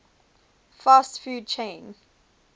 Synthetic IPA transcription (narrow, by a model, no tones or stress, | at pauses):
faːstfjuːd̚t͡ʃʰẽɪ̃n